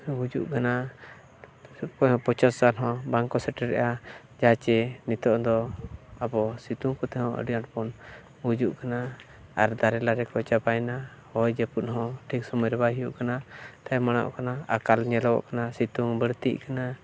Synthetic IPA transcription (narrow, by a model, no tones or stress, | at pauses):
bud͡ʒṵʔkana | kɔjɔ̃pɔt͡ʃassalɦɔ̃baŋkɔsɛʈɛɾɛ̰ʔa | d͡ʒat͡ʃɛnit̪ɔʔd̪ɔabɔsit̪uŋkɔt̪ɛhɔ̃ʔə̰ɖijaʈpɔn | bud͡ʒuʔkana | aɾd̪aɾɛlaɾɛkɔjt͡ʃabajna | hɔjd͡ʒɛpunɦɔ̃ʈʰik̚sɔmɔjɾɛbaɦijuʔkanat̪ajmana̰ʔkanaakalɲɛlɔwɔ̰ʔkanasit̪uŋbəɽt̪ḭʔkana